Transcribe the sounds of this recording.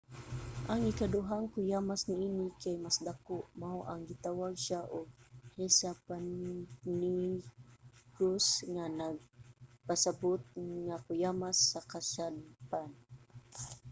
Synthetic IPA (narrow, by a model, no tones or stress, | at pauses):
ʔaŋikad̪ʊɦaŋkʊjamasniinikajmasd̪akʊʔmaʊʔaŋɡit̪awaɡ̚ʃaʔʊɡ̚hesapanni | kɾʊsŋanaɡ̚pasabʊt̪̚ŋakʊjamasːakasad̚pan